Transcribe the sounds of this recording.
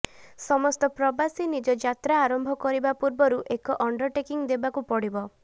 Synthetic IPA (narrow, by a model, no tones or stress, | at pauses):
sɔmɔst̪ɔpɾɔbasinid͡ʒɔd͡ʒat̪ɾaːɾɔmbʱɔkɔɾibapuɾbɔɾuʔekɔʔɔɳɖɔʈekiŋd̪ebakupɔɽibɔ